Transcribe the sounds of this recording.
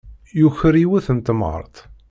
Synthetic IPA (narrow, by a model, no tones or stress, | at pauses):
juçəɾiwæθənt̪mə̰ɾˤt̪